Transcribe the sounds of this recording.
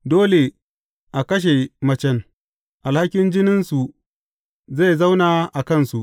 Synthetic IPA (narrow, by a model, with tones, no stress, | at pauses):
doː˦le˨ | ʔa˨kɐ˦ʃ̬e˨mɐ˦t͡ʃɛ˦ŋ | ʔa˨lha˦kʲɪ˦nd͡ʒɪ˦nɪ˦nsu˨ | za˦˨jza˦wnaː˨ʔa˨kɐ˦˨nsu˨ʔ